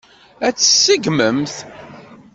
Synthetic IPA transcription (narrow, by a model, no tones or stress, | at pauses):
æt͡sːə̥sːəɡməmθ